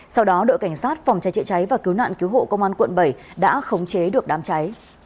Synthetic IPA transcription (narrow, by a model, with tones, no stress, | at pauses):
sa˧wɗɔ˨˦ɗo̰˧˨jka˧˩jŋ̟saː˦˥t̚fɔ˨˩wŋ͡mt͡ɕa˨˦jt͡ɕɛ̰˧˨t͡ɕa˨˦jvaː˨˩ki˨˦wna̰ː˧˨nki˨˦wɦo̰˧˨kə˧wŋ͡mʔaː˧nkwə̰˧˨nɓə˧˩jɗa̰ː˧˥xə˨˦wŋ͡mt͡ɕe˨˦ɗɨ˨˩ək̚ɗaː˨˦mt͡ɕa˨˦j